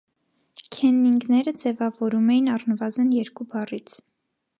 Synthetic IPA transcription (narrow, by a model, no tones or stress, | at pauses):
kʰɛnːiŋɡnɛɾəd͡zɛvɑvɔɾumɛjinɑrnəvɑzənjɛɾkubɑrit͡sʰ